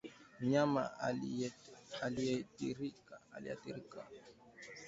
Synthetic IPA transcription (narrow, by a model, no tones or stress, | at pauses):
ɲama̰ | aliɛtiɾikaa̰lḭa̰θiɾika